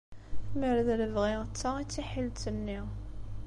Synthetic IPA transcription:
θməɾðləvʁiʁt͡sːait͡sːiħilt̪ənːiʁ

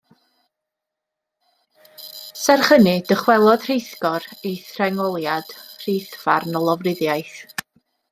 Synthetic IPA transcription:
sɛrχənɨdəχwɛlˠɔd̥r̥ejθkɔɾejθrɛŋɔlˠjad̥r̥ejθvarnɔlˠɔvrɪðjajθ

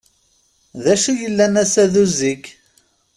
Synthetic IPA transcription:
ðæʃujəlːænæsæðuzikː

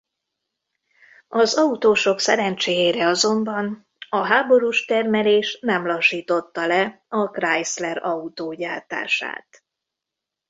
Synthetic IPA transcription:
ɒzɒut̪oːʃo̞ksɛɾɛnt͡ʃeːjeːɾɛɒzo̞mbɒn | ɒɦaːbo̞ɾuːʃt̪ɛrmɛleːʃnɛmlɒʃːiːt̪o̞t̪ːɒlɛ | ɒkrajslɛɾɒut̪oːɟaːt̪a̰ːʃa̰ːt̪

